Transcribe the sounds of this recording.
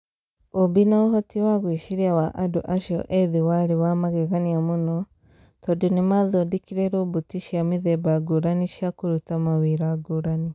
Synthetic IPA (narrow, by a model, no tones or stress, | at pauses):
obinaoɦotiwaɣwiːʃiɾiawaʔaduʔaʃo̰ʔeðiwaɾiwamaɣeɣaniamuno | t̪odonimaðodikiɾeɾoβutiʃiamiðebaɡuɾaniʃjakuɾutamawiɾaɡuɾani